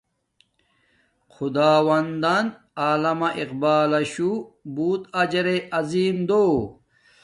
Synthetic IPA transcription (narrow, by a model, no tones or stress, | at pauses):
xʰud̪aːwɐnd̪ɐn | aːlɐmɐʔiqbaːlɐɕubuːt̪ɐd͡ʑɐɾeʔɐziːmd̪oː